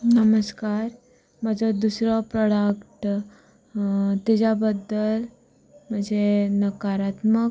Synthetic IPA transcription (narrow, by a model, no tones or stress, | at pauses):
nəməskaɾ | mad͡zɔd̪usɾɔpɾɔɽəkʈ | t̪id͡ʑabəd̪ːəl | m̤əɳd͡zenəkaɾat̪mə